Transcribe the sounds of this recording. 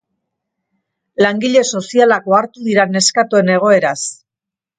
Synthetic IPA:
laŋɡiʎe̞so̞sialak̚o̞aɾt̪uðiɾane̞skat̪ue̞ne̞ɣ̞o̞e̞ɾas

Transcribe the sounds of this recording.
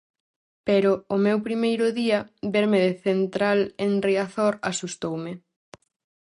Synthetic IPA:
peɾʊːmewpɾimejɾʊðiɐbeɾmeðeθent̪ɾaleŋriaθoɾasust̪owmɪ

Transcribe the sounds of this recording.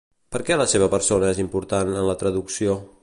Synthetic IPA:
pəɾkɛləseβəpəɾsonəezimpuɾt̪anənlət̪ɾəðuksio

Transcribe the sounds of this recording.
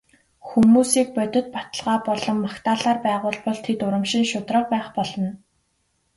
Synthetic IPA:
xumuːsiːk̚pœt̪ʲɪ̆t̪̚pat̪ə̆ɮʁaːpɔɮɞ̆mːakt̪ʰaːɮaːrpæːʁʊːɮpɔɮt̪ʰet̪ʊɾə̆mʃĭŋʃʊt̪rə̆q̚pæːχpɔɮɞ̆n

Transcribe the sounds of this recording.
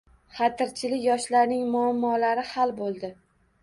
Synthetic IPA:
χɑt̪ʰɪɾt͡ʃʰɪlɪkʲjɒʃlaɾnɪŋmʊamːɒlaɾɪhalˠbolˠd̪ɪ

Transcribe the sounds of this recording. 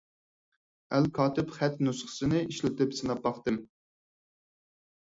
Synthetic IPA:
ælkʰɑːt̪ɪpχæt̪nusχə̥sɨnɨiʃlɪt̪ɪpsɨnɑp̚ːɑχt̪ɨm

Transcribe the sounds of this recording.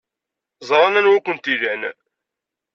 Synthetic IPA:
zˤɾˤɑnænwækʷənt̪iðæn

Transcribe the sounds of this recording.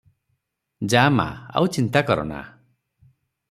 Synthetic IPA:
d͡ʒama̰a̰wt͡ʃint̪akɔɾɔ̰na̰

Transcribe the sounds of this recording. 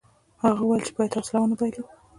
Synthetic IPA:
haɣauwajelt͡ʃɪ̥bɑjad̪awslawənabajli

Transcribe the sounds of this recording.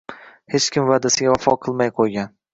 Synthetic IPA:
he̞t͡ʃkʲɪmvaːd̪asɪɡʲavafɒqʰɨlˠmajqʰojɡʲan

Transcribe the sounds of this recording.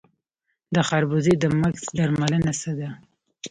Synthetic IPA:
d̪əxaɾbuzed̪əmaksd̪aɾmalənasəd̪a

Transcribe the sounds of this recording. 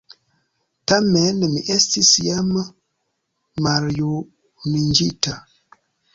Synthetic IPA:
tamɛnəmiʔɛstisijamə | maɾjo | nind͡ʒita

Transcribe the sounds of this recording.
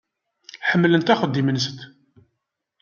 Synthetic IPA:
ħəmːlənt̪æχəd̪ːimənst̪

